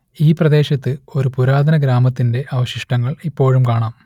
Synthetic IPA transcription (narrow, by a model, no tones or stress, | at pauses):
iːprɐd̪e̞ːɕɐt̪ːɨo̞ɾupuɾaːd̪ʱɐnɐɡɾaːmɐt̪ːinde̞ʔɐʋɐɕiʂʈɐŋːɐɭipːo̞ːɻumkaːɳaːm